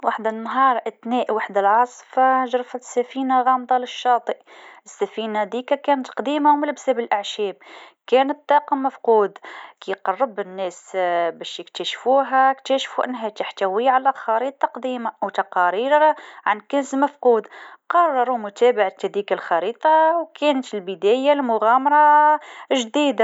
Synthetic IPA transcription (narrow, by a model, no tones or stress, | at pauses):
waħd̪ɪnːɦɑːɾˤʔɪt̪nɛːʔwaħd̪alʕɑsˤfɑʒɾˤfat̪sːæfiːnaɣɑːmd̪ˤɑlɪʃːɑːt̪ˤɨʔʔɪsːæfiːnad̪iːkakæːnt̪qd̪iːmamlɪbsabɪlʔɪʕʃɛːb̚kæːnət̪̚d̪ˤɑːqɑmːafquːd̪kiqɑrˤːəbɪnːɛːsbæʃjək̚t̪æʃfuɦækt̪æʃfuʔənːɦæt̪aħt̪æwiʕalæxɑɾiːt̪ˤːɑqd̪iːmawt̪ɑqɑɾiɾɾʕankənzməfquːd̪qɑrˤːɑɾumʊt̪æbaʕat̪hæd̪ikalxɑɾiːt̪ˤɑwkænət̪əlbəd̪æjalmʊɣæmɑɾˤɑ | ʒd̪id̪a